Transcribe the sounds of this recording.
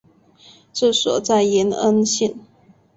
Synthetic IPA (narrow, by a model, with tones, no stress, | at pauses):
ʈ͡ʂ̩˥˩swɔ̰˨˩t͡sa˥˩ɪɛ˧˥nə̰˥nɕi˥˩n